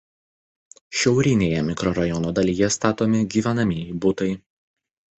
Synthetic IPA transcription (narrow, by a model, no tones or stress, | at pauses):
ʃʲɛʊɾʲɪnʲeːjɛmʲɪkɾɔɾɐjɔnod̪ɐlʲiːjɛst̪ɑːt̪oːmʲɪɡʲiːʋʲænɐmʲibʊt̪ɐɪ